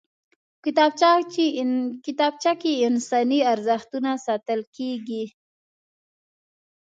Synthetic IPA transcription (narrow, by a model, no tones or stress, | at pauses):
kɪt̪ɑbt͡ʃa | kɪt̪ɑb̚t͡ʃakeɪnsɑniaɾzəxt̪unasɑt̪əlkeɡi